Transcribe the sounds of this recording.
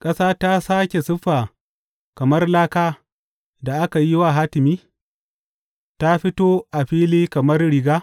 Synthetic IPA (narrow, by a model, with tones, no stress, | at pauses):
kʼɐ˦saː˦ta˦saː˦kʲe˨sʊ˦ɸːaː˨ | kɐ˨mɐ˦rlaː˦kaː˦ | da˨ʔa˦ka˨ji˦wa˨ɦaː˦tɪ˨miː˦ | ta˦ɸɪ˦toː˦ʔa˨ɸiː˦liː˦kɐ˨mɐ˦rɽɪ˨ɡaː˦